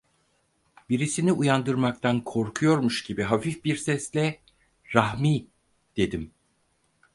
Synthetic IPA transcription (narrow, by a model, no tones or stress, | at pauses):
biɾisiniʔujand̪ɯɾmakt̪ʰankʰo̞ɾkʰujo̞ɾmuʃɟibiɦafifbiɾsɛslʲɛ | ɾahmiː | d̪̥e̞d̪im